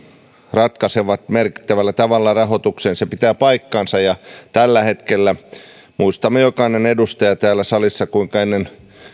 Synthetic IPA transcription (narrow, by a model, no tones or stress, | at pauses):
rɑt̪kɑseʋɑt̪merki̥t̪ːæʋælːæt̪ɑʋɑlːɑrɑɦot̪ukseːnsepit̪æːpɑikːɑːnsɑjɑt̪ælːæhet̪kelːæ | muist̪ɑmːejokɑinenedust̪ɑjɑt̪æːlːˑæsɑlisːɑkuiŋkɑenːen